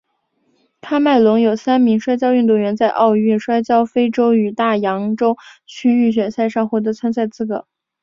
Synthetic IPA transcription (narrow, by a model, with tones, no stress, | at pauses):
k̪ʰa˥ma˥˩ɪlwʊ˧˥ŋjo˨˩ʊsa˥nmi˧˥ŋʂwa˥ɪt͡ɕjɑ˥ʊy˥˧nt̪wu˥˩ŋɥɛ˧˥nt͡sa˥˧ɪʔɑ˥˧ʊy˥˩nʂwa˥ɪt͡ɕjɑ˥ʊfe˥ɪʈ͡ʂo˥ʊy˨˩t̪a˥˩jɑ˧˥ŋʈ͡ʂo˥ʊt͡ɕʰy˥y˥˩ɕ̬ɥɛ˨˩nsa˥˧ɪʂɑ˥˧ŋxwɔ˧˥˩t̪ɤ˧˥t͡sʰwa˥nsa˥˧ɪt͡sɹ̩˥˩ɡɤ˨˩